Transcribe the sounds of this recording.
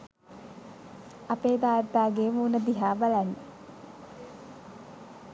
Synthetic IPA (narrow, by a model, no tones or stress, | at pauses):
apeːd̪aːjɾt̪aːɡeːmuːnəd̪iɦaːbalanːi